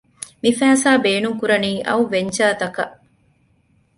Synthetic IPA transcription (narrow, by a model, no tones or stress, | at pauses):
mifæːsaːbeːnuŋkuɾɐniːʔɐ̰uʋeɲt͡ʃaːt̪ɐkɐʔ